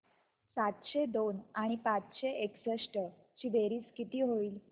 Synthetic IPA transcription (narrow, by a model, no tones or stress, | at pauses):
sat̪ɕed̪onaɽ̃ipat͡sɕeeksəʂʈə | t͡ɕiːbeɾiːt͡skit̪iːɦoiːl